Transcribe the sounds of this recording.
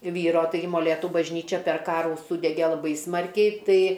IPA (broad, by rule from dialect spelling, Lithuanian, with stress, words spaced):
ˈʋʲiːroː ˈtɐɪɡʲɪ moːˈlʲeːtʊ bɐʒʲˈnʲiːt͡ʃʲɛ pʲɛr ˈkɑːruː ˈsuːdʲɛɡʲɛ lˠɐˈbɐɪ ˈsmɐrʲkʲɛɪ ˈtɐɪ